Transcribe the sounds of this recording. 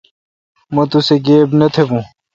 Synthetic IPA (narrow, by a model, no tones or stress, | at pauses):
mɐt̪useɡeːbnɐt̪ʰebũː